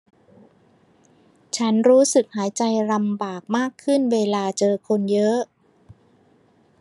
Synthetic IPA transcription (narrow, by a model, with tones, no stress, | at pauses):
t͡ɕʰa˦˥nɾuː˦˥sɯ˨˩k̚haː˩˦jt͡ɕa˧jɾa˧mbaː˨˩k̚maː˥˩kʰːɯ˥˩nweː˧laː˧t͡ɕɤː˧kʰo˧njɤ˦˥ʔ